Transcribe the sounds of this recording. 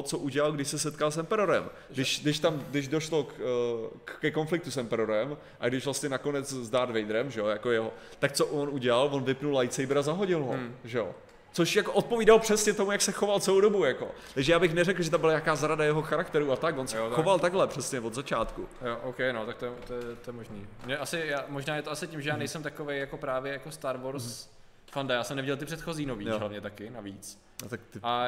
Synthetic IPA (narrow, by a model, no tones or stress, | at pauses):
t͡soʔuɟɛlalɡdɪʃsɛsɛt̪kalsɛmpɛɾoɾɛm | dɪʃdɪʃt̪amɡdɪʒdo̞ʃlok | kːɛko̞nflɪk̚t̪usɛmpɛɾoɾɛm | ʔaɡdɪʃvlast̪ɲɛnako̞nɛt͡szdaːɾd̪vɛjd̪ɾɛmʒɛojakojɛɦot̪ak̚t͡soʔonuɟɛlalvonvɪpnulajt͡sejbɪɾazaɦoɟɪlɦoʒɛo̰ | t͡soʃjakoʔot̪̚poviːdalopr̝̥ɛsɲɛt̪omujaksɛxo̞valt͡sɛlowdobujako̞̰ | t̪aɡʒɛjaːbɪxnɛrɛkl̩ˠʒɛt̪̬ambɪlajakaːzɾadajɛɦoxaɾak̚t̪ɛɾuat̪akvonsɛoxovalt̪aɡɦlɛpr̥ɛsɲɛvodzat͡ʃaːt̪kujoʔowkɛjnot̪ak̚t̪ojɛt̪ojɛt̪ojɛmoʒnḭːmɲɛʔasɪjaːmoʒnaːjɛt̪oasɪcɪmʒɛjaːnɛjsɛmt̪akovejjako̞pɾaːvjɛjakost̪aɾvoɾs | fandajaːsɛmnɛvɪɟɛlˠt̪ɪpr̝̥ɛt̪xo̞ziːnoviːjɦlavɲɛt̪akɪnaviːt͡s | ot̪akt̪ɪʔa